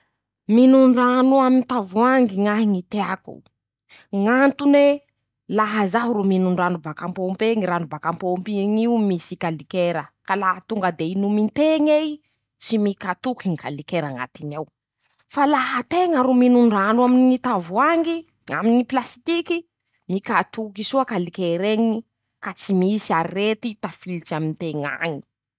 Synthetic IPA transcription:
minuɳɖ͡ʐanuaminit̪avuaŋɡiŋaɦiŋit̪eakṵ | ŋant̪une | laɦəzaɦɾuminuɳɖ͡ʐanubakampompeŋiɾanubakampompiŋiumisikalikeɾəkalaɦat̪uŋɡəd̪einumint̪eŋej | t͡simikat̪ukiŋikalikeɾaŋa̰t̪inaw | falaɦət̪eŋəɾuminuɳɖ͡ʐanaminit̪avuaŋɡi | a̰miniplasi̥t̪iki | mikat̪ukisuakalikeɾeŋi | kat͡simisiaɾiret̪it̪afilt͡ʃiaminit̪eŋa̰ŋi̥

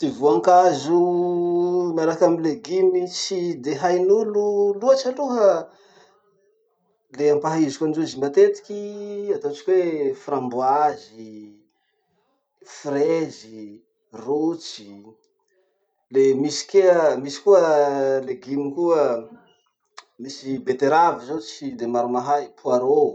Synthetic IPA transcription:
d̪̥ivuaŋkazu | maɾakamileɡimit͡sid̪eɦajnululuat͡ʃaluɦə | leampaɦizikʲand͡ʒuzimat̪et̪i̥kʲiat̪ot͡ʃi̥kʲweframbuazi | frezi | rut͡ʃi̥ | lemisi̥keəmisi̥kuəleɡimikuə | misibet̪eɾavizot͡sid̪emaɾumaɦajpʰuaɾo

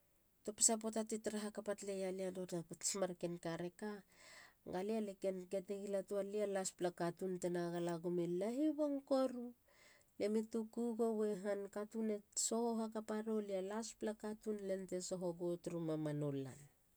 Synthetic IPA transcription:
to̞pi̥sap̬otatitɾaɦakapatle̞jaliadotapmaɾke̞nkaɾe̞ka | ɡalialeke̞nke̞teɡilatualialasplakatuntenaɡalaɡomilaɦiβoŋkoɾu | lemitukuɡowe̞ɦankatune̞so̞hoɦakapaɾo̞lialasplakatunle̞nte̞so̞ɦoɡotɾumamanolːa̰n

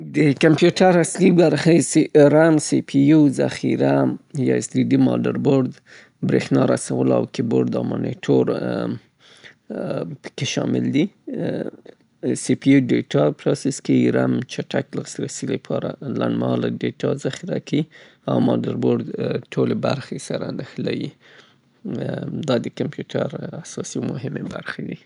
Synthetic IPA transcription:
d̪əkampjuʈaɾaslibaɾxeseɾamsipʰijuzaxiɾajɑɪsliɖimɑ̰daɾboɾd̪ | bɾexnɑɾasawəla̰wkeboɾd̪amoniʈʰoɾ | pə̥keʃɑmɪld̪i | sipiuɖeʈɑpɾɑsɪskawiɾamt͡ʃaʈakləɣsɾasilepʰɑɾalaɳɖmlaɖeʈʰɑzaxiɾakai | a̰wmɑdaɾboɾd̪ʈʰolebaɾxesaɾanəxlawi | d̪ɑd̪əkampjuʈʰaɾasɑsimʊɦɪmebaɾxed̪i

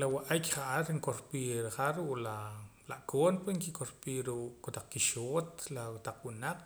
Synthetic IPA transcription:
lawaʔakχaʔaɾiŋkoɾpiɾχaɾuʔlalaʔkʰoːnpeŋkikoɾpiːɾuʔkot̪aq͡χkiʃoːt̪̚lawt̪aq͡χwunaq͡χ

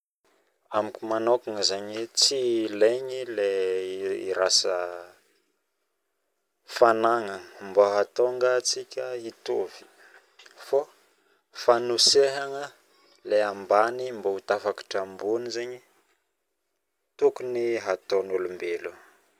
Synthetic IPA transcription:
amikumanokaŋəzeɲit͡sileɲile | ḭɾasə | fanaŋəmboɦat̪oŋɡat͡sikʲəit̪ovi̥ | fo | fanuseɦaŋə | leambanimbout̪afakḁʈ͡ʂambunizeɲi | t̪ukuniɦat̪onulumbelu

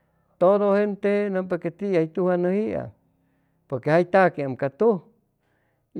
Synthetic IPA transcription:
t̪oðohent̪enəpeket̪iajt̪uhanəhia̰ | poɾkehajt̪akeamkat̪uh

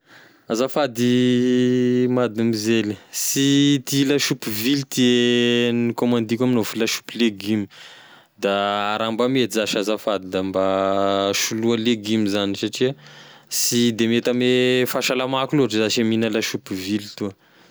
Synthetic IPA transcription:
azafad̪i | mad̪amizelisit̪ilaʃupvilt̪ienikomand̪ikʲaminofulaʃu̥pileɡimi | d̪aːɾambamet̪izaʃazafad̪id̪ambaʃulualeɡimizanisaʈ͡ʂiasid̪emet̪amefaʃalamakuloaʈ͡ʂəzaʃeminalaʃupivilit̪uə

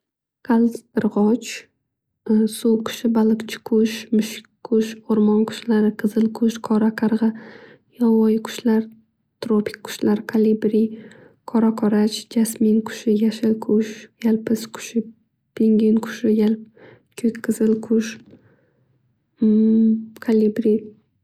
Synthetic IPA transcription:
kʰalˠzt̪ɨɾʁɒt͡ʃ | suwkʰʊ̥ʃɪbalˠɨkt͡ʃʰɪ̥kʰʊʃmʊʃkʰːʊʃoɾmɒnkʰʊ̥ʃlaɾɪqʰɨzɨlkʰʊʃkʰɒɾakʰɑɾʁɨ | jɒwɒjkʰʊ̥ʃlaɾ | t̪ʰɾopʰʲɪ̥kʲkʰːʊ̥ʃlaɾkʰalibɾi | kʰɒɾakʰɒɾat͡ʃd͡ʒasmɪnkʰʊ̥ʃɪjaʃɪlkʰʊʃjalpʰɪskʰʊ̥ʃɪ | pʰeŋɡʲɪnkʰʊ̥ʃɪjal | kʲʰeqʰɨzɪlkʰʊʃ | kʰalibɾi

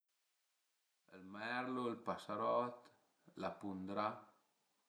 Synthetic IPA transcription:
əlmɛɾloəlpasaɾɔt̪ | lapund̪ɾa

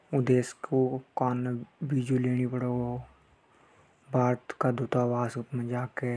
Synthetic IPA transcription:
ʊd̪eːskokaːnbiːd͡ʒuleːñibəɽoo | bʱaːɾt̪kad̪ut̪aːbaːsʊt̪mə̃d͡ʒaːke

